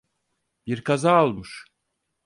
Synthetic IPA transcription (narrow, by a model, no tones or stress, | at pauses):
biɾkʰazaːlˠmuʃ